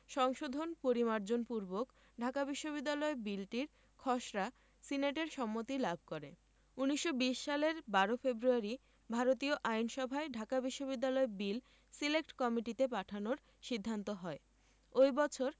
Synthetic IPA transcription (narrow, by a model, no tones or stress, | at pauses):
ʃɔŋʃod̪ʱonpoɾimaɾd͡ʑonpuɾbok | ɖʱakabiʃːoβid̪ːalɔebilʈiɾ | kʰɔʃɾa | sineʈeɾʃɔmːot̪ilabʱkoɾḛ | uniʃːobiʃːaleɾbaɾofebɾuaɾi | bʱaɾot̪ioʔajnʃɔbʱaeɖʱakabiʃːobid̪ːalɔebil | silekʈkɔmiʈit̪epaʈʰanoɾ | ʃid̪ʱːant̪oɦɔe | ojbɔt͡ɕʰoɾ